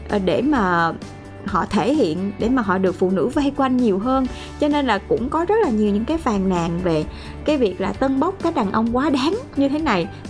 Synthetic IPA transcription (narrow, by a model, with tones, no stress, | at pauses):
ʔɗe˧˩maː˨˩ | hɔ̰˧˨t̪ʰe˧˩hḭ˧˨ənɗe˧˩maː˨˩ɦɔ̰˧˨ɗɨ˨˩ək̚fṵ˧˨nɨ̰˧˥va˧jkwa˧jŋ̟ɲi˨˩əwɦəː˧n | t͡ɕɔ˧ne˧nlaː˨˩kʊ̰˧˥ŋ͡mkɔ˨˦zə˦˥t̚laː˨˩ɲi˨˩əwɲɨ̰˧˥ŋkaː˨˦jfaː˨˩nna̰ː˨ŋve˨˩ | kaː˨˦jvi˨˩ək̚laː˨˩t̪ə˧nɓə˦˥wk͡p̚kaː˨˦˥k̚ɗaː˨˩ŋʔə˧wŋ͡mkwaː˨˦ɗaː˨˦ŋɲɨ˧t̪ʰe˨˦na˨˩j